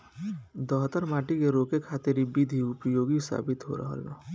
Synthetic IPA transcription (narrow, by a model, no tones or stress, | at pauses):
d̪ɔɦt̪əɾmaːʈikeɾoːkekʰaːt̪ɪɾibid̪ʱiʊpjoːɡisa̰ːbɪt̪ɦo̰ɾɐ̰ɦə̰la̰